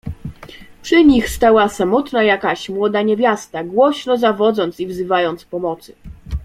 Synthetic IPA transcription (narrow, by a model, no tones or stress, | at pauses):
pʂɘɲixst̪awasamɔt̪najakaɕmwɔd̪aɲevʲjast̪aɡwɔɕnɔzavɔd̪zɔnt̪sivzɘvajɔnt̪spɔmɔt̪sɘ̥